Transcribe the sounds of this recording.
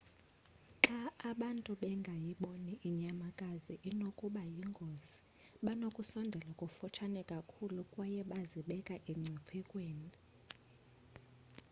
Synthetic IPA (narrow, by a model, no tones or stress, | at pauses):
ǁaːɓantʼuɓɛŋɡʱajiɓoniʔiɲamakʼaziʔinokʼuɓajiŋɡʱozi̥ | ɓanokʼusɔndʱɛlakʼufɔt͡ʃʰanɛkʼakʰulukʼwajɛɓaziɓɛkʼaʔiŋ͡ǀʱipʰikʼweːni